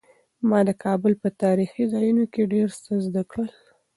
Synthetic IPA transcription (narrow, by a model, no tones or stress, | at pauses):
mɑd̪əkʰɑbʊlpət̪ɑɾixizɑjunokeɖeɾsəzd̪akɽəl